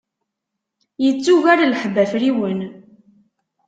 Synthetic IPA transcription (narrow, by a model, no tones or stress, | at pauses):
jət͡sːuʝaɾaləħbæfɾiwən